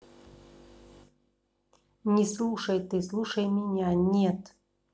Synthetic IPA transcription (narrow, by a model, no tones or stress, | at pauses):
nʲɪslˠuʂɐjt̪ɨslˠuʂɐjmʲɪnʲanʲet̪